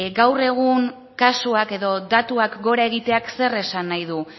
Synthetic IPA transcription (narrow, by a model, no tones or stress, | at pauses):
ɡawre̞ɣ̞uŋ | kasuake̞ðo̞d̪at̪uakɡo̞ɾae̞ɣit̪e̞akse̞re̞sanːajðu